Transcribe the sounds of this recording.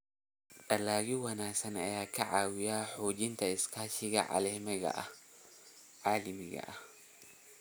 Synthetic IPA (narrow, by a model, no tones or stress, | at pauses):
ᶑɗʼɐlaːɡiwɐnasɐnɐjakʰːɐʕawɪjaħod͡ʒint̪ʰɐɪskaʃiɡɐ̰ʕa̰lɐmɐɡa̰ʔa | ʕalimiɡɐ̰ʔa